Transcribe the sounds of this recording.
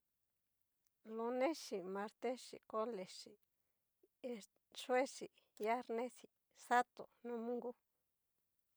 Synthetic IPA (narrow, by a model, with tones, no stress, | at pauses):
lo˧nẽ˦ʃi˨mã˧ɾt̪e˦ʂḭ˨ko˦le˨ʃi˨ | e˧ | ʂwe˦ʂi˨ | ja˦ɾnẽ˦si˨ | sa˦t̪o̰˨nũ˦mũ˦ŋɡu˦